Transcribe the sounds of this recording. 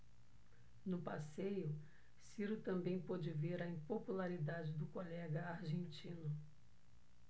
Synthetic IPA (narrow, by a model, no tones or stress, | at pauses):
nʊpasejʊ | siɾʊt̪ɐ̃mbẽj̃pod͡ʒɪveɾɐĩpopulaɾid̪ad͡ʒɪd̪ʊkolɛɡɐaɾʒẽnt͡ʃĩnʊ